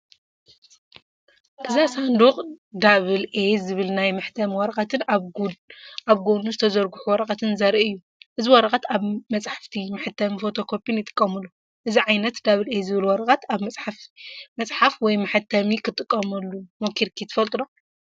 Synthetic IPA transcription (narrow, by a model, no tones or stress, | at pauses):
ʔɨzasand̪uqʼd̪aβɨlʔezɨβɨlnajmɐħt̪ʰɐmiwɐɾɐχʼɐt̪ʰɨn | ʔaβɡonuzɨt̪ʰɐzɐɾɡuħuwɔɾɐqʼɐt̪ʰɨnzɐɾiʔɨjːu | ʔɨziwɔɾɐkʼɐt̪aβmɐt͡sʼħḁft̪ʰimaħɨt̪ʰːɐmifot̪ʰo̞kʰo̞pʰʼinjɪt̪ʼɨ̥kʼːɐmulːu | ʔɨziʕajnɐt̪d̪aβɨlezɨβɨlwɐɾɐkʼɐt̪aβmɐt͡sʼħafmɐt͡sʼħafwɔjmaħɨt̪ʰɐmikʰɨt̪ʼɨkʼːɐmɐlːumokʰiɾkʰit̪ʰːɨfɐlt̪ʼɨlo